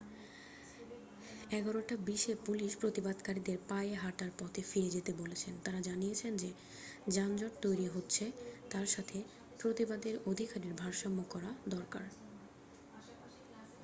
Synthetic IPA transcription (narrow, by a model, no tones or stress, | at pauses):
ɛɡɔɾoʈabiʃepuliʃpɾot̪ibad̪kaɾid̪eɾpaeeɦaʈaɾpɔt̪ʰefiɾed͡ʑet̪ebolet͡ɕʰent̪aɾad͡ʑanijet͡ɕʰend͡ʑe | d͡ʑand͡ʑoʈ̚t̪ojɾiɦotːɕʰet̪aɾʃat̪ʰe | pɾot̪ibad̪eɾod̪ʱikaɾiɾbʱaɾʃɔmːokɔɾad̪ɔɾkaɾ